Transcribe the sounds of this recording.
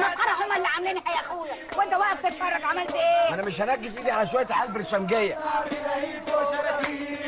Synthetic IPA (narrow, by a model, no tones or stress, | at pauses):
mæqːɑɾˤɑʕhʊmːæʔɪlːiʕamliːnihæjʔæxuːlˤwʔɪnt̪æwæːʔɪft̪ɪt̪fɑrˤːɑɡʕamælt̪ʔeːʔænæmɪʃhænæɡːɪsʔid̪iʕalæʃwæjːæt̪ʕalbɪɾʃæmɡejːæ